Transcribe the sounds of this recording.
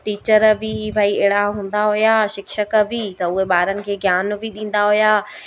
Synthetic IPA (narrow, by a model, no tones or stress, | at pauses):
ʈiːt͡ɕəɾbɪbʱaːiɛːɪɽaɦũːn̆d̪aɦujaʃɪkʃək̆bɪt̪ɐʊɦeɓaːɾənɪ̆kʰeːɡʱjaːnbɪɗĩːn̆d̪aɦujaː